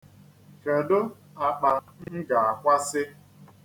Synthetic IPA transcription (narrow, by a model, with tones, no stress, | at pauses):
ke˨do˦ | a˨k͡pa˨ŋ̩˦ɡa˨a˨kʷa˦sɪ˦